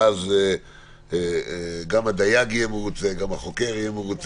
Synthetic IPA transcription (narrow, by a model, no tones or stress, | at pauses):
aze | ɡamhad̪ajaɡijemeut͡seɡamaχo̞ke̞ʁjemeʁut͡s